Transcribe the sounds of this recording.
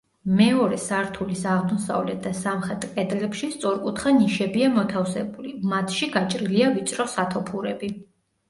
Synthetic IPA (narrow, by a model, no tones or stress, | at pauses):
mɛɔɾɛsaɾt̪ʰulisaʁd̪ɔsa̰vlɛt̪̚ʰd̪asamχɛt̪ʼkʼɛd̪lɛpʃist̪sʼɔɾkʼut̪ʰχaniʃɛbiamɔt̪ʰafsɛbulimat̪ʰʃiɡat͡ʃʼɾiliavit̪sʼɾɔsat̪ʰɔpʰuɾɛbi